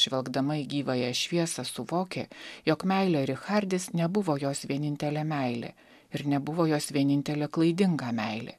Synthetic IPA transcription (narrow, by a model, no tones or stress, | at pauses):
ʃʲʋʲɛlˠɡd̪ɐmɐɪɡʲiːʋɐjɛʃʲʋʲiɛsɐsʊʋoːkʲeːjoːkmʲɛɪlʲɛɪɾɪxɐɾʲd̪ʲɪsnʲɛbʊʋoːjoːsʋʲiɛnʲɪnʲt̪ʲɛlʲemʲæɪlʲḛː | ɪɾnʲɛbʊʋoːjoːsʋʲiɛnʲɪnʲt̪ʲɛlʲeːklˠɐɪd̪ʲɪŋɡɑːmʲɛɪlʲḛ